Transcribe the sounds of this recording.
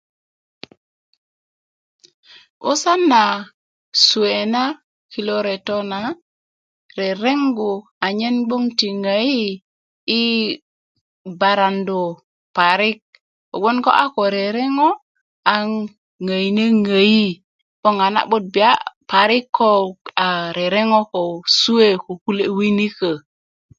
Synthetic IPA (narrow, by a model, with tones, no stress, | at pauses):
o̰˦sa˦nːa˨ | su˨e˨na˦ | ki˨lo˦ɾe˨to˦na˨ | ɾe˨ɾe˦ŋɡo˨ | a˨ɲe˦nbo˦ŋti˨ŋa˨jiː˦ | ba˨ɾa˨ndo˨ | pa˨ɾi˦k̚ | o̰˨ɓo˦nko̰˦ʔa˦ko˨ɾe˨ɾe˦ŋo˦ | a˨ŋː | a˨i˨ne˦ŋa˨ji˦ | b̥o˦ŋa˨na̰˨ɓo˦d̚bi˨a˦pa˨ɾi˦kʰːo˦a˨ɾe˨ɾe˦ŋo˦ko˨su˦e˦ku˨ku˦le˦wi˦ni˦kə˨